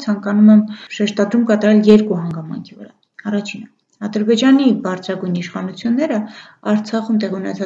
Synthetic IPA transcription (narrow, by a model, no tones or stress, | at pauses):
t͡sʰɑŋkɑnumɛmʃɛʃt̪ɑd̪ɾumkɑt̪ɑɾɛljɛɾkuɦɑŋɡɑmɑ̰ŋkʰivəɾɑ̰ | ɑrɑt͡ʃʰinə | ɑd̪əɾbɛd͡ʒɑnibɑɾt͡sʰɾɑɡujniʃχɑnut͡sʰjunːɛɾə | ɑɾt͡sʰɑχumt̪ɛʁiunɛt͡sʰɑ